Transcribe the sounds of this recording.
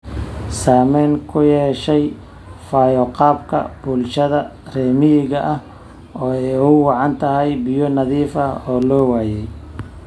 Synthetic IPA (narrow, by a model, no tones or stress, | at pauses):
saːmɛːŋkʰʊjɛːʃɛj | faːjɔqɑːbkʰɐ̰b̥ʊlʃɐðɐ | rɛːmɪjɪɣɐʔɐh | ɔːɛjʊwɑʕɑnt̪ʰɐɦɛjbɪjɔnɐðiːfɐɔːlɔːwaːjɛj